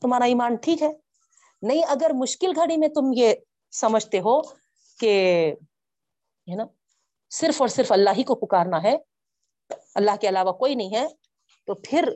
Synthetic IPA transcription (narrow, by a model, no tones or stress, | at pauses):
t̪ʊmɦaːɾaiːmaːnʈʰiːkɦɛː | nɐɦĩʔɐɡəɾmʊʃkɪlɡʱɐɽ̃imẽt̪ʊmje | sɐməd͡ʒʱt̪eɦo | ke | ɛnaː | sɪɾfɔːɾsɪɾfɐlːaːɦikopʊkaːɾnaɦɛ | ɐlːaːɦkeɐlaːʋakoːinɐɦĩɦɛ | t̪oːpʰɪɾ